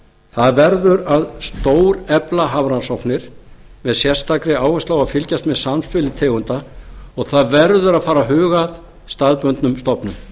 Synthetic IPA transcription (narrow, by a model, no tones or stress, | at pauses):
θaðvɛɾðʏɾaðst̪oːwɾɛplaɦavɾansɔwpnɪɾ̥mɛðsjɛr̥st̪akɾɪaːwhɛst̪aːwafɪlcast̪mɛðsamfɪːlɪt̪ʰɛːɣʏnt̪aɔɣθaðvɛɾðʏɾaðfaːɾaɦʏːɣað | st̪aðpʏnt̪nʏmst̪ɔpnʏm